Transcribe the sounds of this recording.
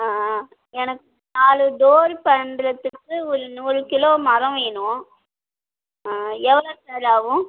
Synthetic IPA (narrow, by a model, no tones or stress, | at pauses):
aː | ɛnɐkːɯnaːɭɯd̪oːɾpɐndɾɐt̪ːɯkːɯɔɾɯnuːɾɯkɪloːmɐɾɐ̃ʋeːnʊ̃ | ɛʋɐɭɐsɐːlaːʋɯ̃